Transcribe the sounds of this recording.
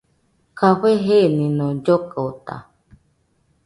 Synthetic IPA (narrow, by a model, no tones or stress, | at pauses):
kaɸeɦenĩnõd͡ʒokaot̪a̰